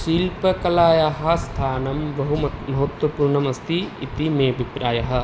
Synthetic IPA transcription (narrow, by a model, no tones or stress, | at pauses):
ʃiːlpɐkɐlaːjɐɦɐ̆st̪ʰaːnɐmbɐɦumɐmɐɦɐt̪wɐpuːɾɳɐmɐst̪ʰḭːt̪imeːɐbʱipɾaːjɐɦɐ̆